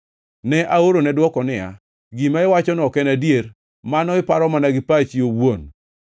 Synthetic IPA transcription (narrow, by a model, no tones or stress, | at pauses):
nɛʔaoɾonɛdwɔkɔnɪja̰ | ɡimaɪwat͡ʃɔnɔkɛnadjeɾ | manɔɪpaɾɔmanaɡɪpat͡ʃiowon